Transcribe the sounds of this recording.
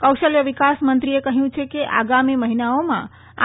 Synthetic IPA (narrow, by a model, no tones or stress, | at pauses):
kəwʃəljəʋikasmənt̪ɾiekəɦjũt͡ʃʰekeʔa̰ɡamiməɦinaomã̰ | a